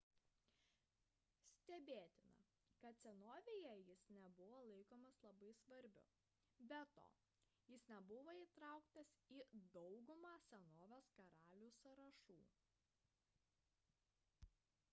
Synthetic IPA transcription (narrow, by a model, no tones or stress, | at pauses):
sʲt̪ʲɛbʲeːt̪ʲɪnɐ̰ | kɐt̪sʲɛnoːʋʲeːjɛjɪsnʲɛbʊʋoːlˠɐɪkoːmɐslˠɐbɐɪsʋɐɾʲbʲʊ̰ | bʲɛt̪o̰ː | jɪsnʲɛbʊʋoːiːt̪ɾɑˑʊkt̪ɐsiːd̪ɒʊɡʊmɑːsʲɛnoːʋʲoːskɐɾɑːlʲuːsɐɾɐʃṵː